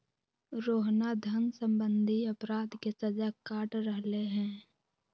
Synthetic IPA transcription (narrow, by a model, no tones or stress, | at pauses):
ɾoːɦnad̪ʱənsə̃mbə̃nd̪ʱiɐpɾaːd̪kesɐd͡ʒakaːʈɾəɦleɦɛ̃ː